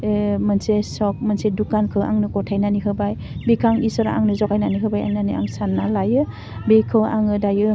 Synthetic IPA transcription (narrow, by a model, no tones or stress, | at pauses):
mɯnsesɔk̚mansedukankʰɯwa̰ŋnɯkɔtʰajnaniɦɯbaj | bikʰaŋisɔɾa̰ŋnɯzɔkajnaniɦɯbajanania̰ŋsanːalajɯ | bekʰɯʔaŋɯdajɯ